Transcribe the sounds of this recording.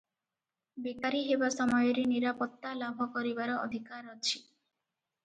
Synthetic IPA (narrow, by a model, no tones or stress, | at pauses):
bekaɾiɦebasɔmɔjɔɾeniɾapɔt̪ːalabʱɔkɔɾibaɾɔɔ̰d̪ʱikaɾɔt͡ʃʰi